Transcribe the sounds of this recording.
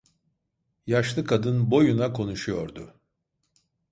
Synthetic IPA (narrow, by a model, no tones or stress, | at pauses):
jaʃlˠɯkʰad̪ɯnbo̞junakʰo̞nuʃujo̞̰ɾd̪ʊ